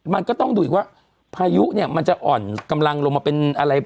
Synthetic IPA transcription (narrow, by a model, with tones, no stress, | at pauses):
ma˧nkɔ˥˩t̪ɔ˥˩ŋduː˧ʔkwaː˥˩ | pʰaː˧ju˦˥ʔni˥˩ɐma˧nt͡ɕa˨˩ʔɔː˨˩nka˧mla˧ŋlo˧ŋmaː˧pe˧nʔa˧ɾa˧j